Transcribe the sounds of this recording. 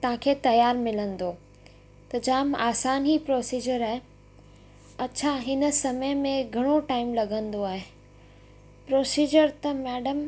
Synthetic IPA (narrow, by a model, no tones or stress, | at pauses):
t̪ɐʋ̤ãkʰeːt̪ɐjaːɾmɪlə̃nd̪oː | t̪ɐd͡ʑaːmaːsaːnipɾoːsiːd͡ʑəɾaːɦe | ɐt͡ɕʰaɦɪnsɐməjmẽɡʱɐɽ̃oʈaːɪmlɐɡʱə̃nd̪oaːɦe | pɾoːsiːd͡ʑəɾt̪ɐmɛːɖəm